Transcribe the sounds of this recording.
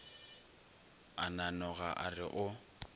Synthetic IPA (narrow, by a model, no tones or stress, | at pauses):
ananɔɣaʔa̰rɪʔʊ